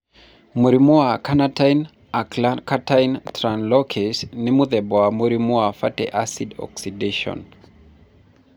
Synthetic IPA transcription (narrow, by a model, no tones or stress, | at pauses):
muɾimuakanatajn | aakatajntɾanlɔkʰesnimuðɛbɔamuɾimuafatɛ̰ʔasidɔ̰ksideʃɔ̰n